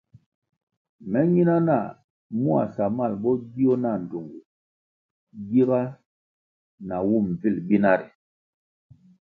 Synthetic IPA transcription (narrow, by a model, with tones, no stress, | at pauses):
mɛ˦ɲi˦na˦na˦˨ | mu˦a̰˨sa˨ma˦˨lbɔ˦ɡi˦ɔ˦na˦˨n̩˨do˨ŋɡu˨ | ɡi˦ba˦ | na˨wu˦˨m˨vi˦˨lbi˦na˦ɾi˨